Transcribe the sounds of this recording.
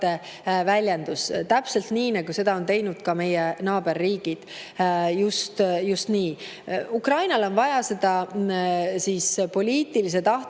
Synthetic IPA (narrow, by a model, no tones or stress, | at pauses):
e | vælʲjend̪̥ust̪æpse̞lt̪niːnɑɡ̥use̞d̪ɑo̞nt̪e̞jnud̪̥kɑme̞jenɑːb̥e̞rːiːɡ̥id̪̥ | just̪just̪niː | ukrɑjnɑlo̞nvɑjɑse̞d̪̥ɑ | siːspo̞lʲiːt̪ilis̬e̞t̪ɑht̪